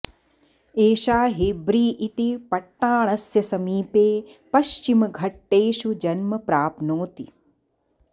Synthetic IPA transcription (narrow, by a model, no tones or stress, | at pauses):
eːʃaːɦebɾiːʔit̪ipɐʈːaːɳ̃ɐsjɐsɐmiːpeːpɐʃt͡ʃimɐɡʱɐʈːeːʃud͡ʒɐnmɐpɾaːpnoːt̪i